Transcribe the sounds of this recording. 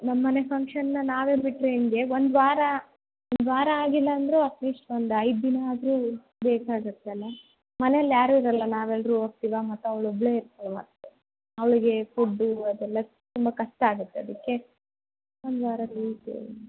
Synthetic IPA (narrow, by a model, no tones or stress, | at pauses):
nɐmːɐnepʰɐŋkʂɐnnːɐnaːʋeːbiʈːɾeːnɡe̞ʋond̪ʋaːɾɐ | ond̪ʋaːɾɐaːɡilːɐːnd̪ɾuɐpniːʂʈʋond̪ɐjd̪inɐaːd̪ɾuː | beːkaːɡut̪ːeɐlːɐ | mɐnejlːjaːɾuiɾɐlːɐnaːʋɛlɾuoːk̚t̪iːʋamɐt̪ːuɐʋɐɭobɭeːiɾt̪ɐlumɐ̰t̪ːu | ɐʋɭiɡe̞fuɖːuɐd̪ɛlːɐ | t̪umbɐkɐʂʈaːɡut̪ːeɐd̪ikːe̞ | ond̪ʋaːɾɐɾuːt̪ḛ